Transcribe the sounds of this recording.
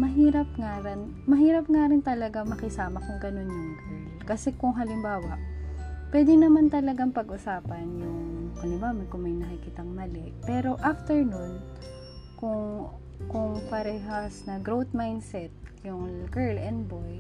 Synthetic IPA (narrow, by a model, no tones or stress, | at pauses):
mɐɦiːɾɐp̚ŋaɾɐn | mɐɦiːɾɐp̚ŋaɾɪnt̪ɐlɐɡamɐkɪsaːmɐkʊŋɡɐno̞njʊŋkɛɹlkɐsɛkʊŋɦɐlɪmbaːwɐʔpwɛd̪ɪnɐmant̪ɐlɐɡaŋpɐɡʔʊsaːpɐnjʊŋkʊnɪmaːmɐkʊŋmɐjnɐkɪkɪt̪ɐŋmɐlɪʔpɛːɾo̞ʔaft̪ɛɹnʊn | kʊŋ | kʊŋpɐɾɛːɦɐsnɐɡɾowt̪̚majnsɛt̪̚jʊŋɡɛɹlɛnd̪boj